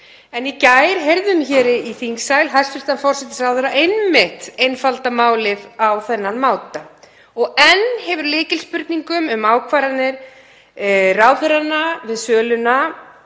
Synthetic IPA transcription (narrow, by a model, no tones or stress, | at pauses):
ɛnicajɾɦejɾðʏmçɛːɾɪiθiŋsaːjlɦast̪fɪst̪anfɔr̥sɛt̪ɪ̥sraːwθœɾaʔejnmɪht̪ejnfalt̪amaːwlɪvawθɛnːanmaːwt̪a | ɔɣɛnhɛvʏɾlɪːcɪlspʏɾt̪niŋkʏmʏmaːwkʰvaɾanɪɾ̥ | raːwθʏɾanːavɪðsœːlʏna